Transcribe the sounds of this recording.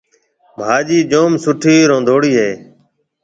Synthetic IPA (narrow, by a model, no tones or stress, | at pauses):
bʱaːd͡ʒiːd͡ʒoːmsʊʈʰiːɾõːnd̪ʱoːɽiːɦeː